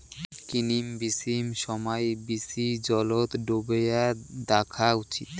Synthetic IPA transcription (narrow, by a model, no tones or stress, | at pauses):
kinimbisimʃɔmɔjbisid͡ʑɔlot̪ɖobejad̪akʰaut͡ɕḭt̪